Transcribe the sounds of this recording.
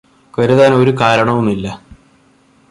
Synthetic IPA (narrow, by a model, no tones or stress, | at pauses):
kɐɾuðaːno̞ɾukaːɾɐɳɐʋumilːɐ